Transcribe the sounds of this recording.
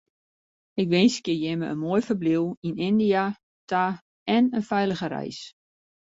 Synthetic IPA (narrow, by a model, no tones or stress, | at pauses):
ɪkʋɪnskɪjɛməʔə̰nmojfərbliwinɪndija | tʰa | ɛnənfɛjləɣəɾɛ̰js